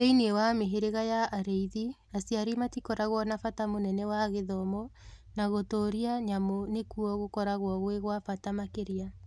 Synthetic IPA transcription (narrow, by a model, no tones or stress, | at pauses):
einiewameɦeɾeɣajaːɾeiði | asjaɾimatikɔɾaɣwɔnafatamonɛnɛwaɣeðɔmɔ | naɣotoːɾiaɲamonekuɔɣokɔɾaɣwɔɣweɣwafatamakeɾia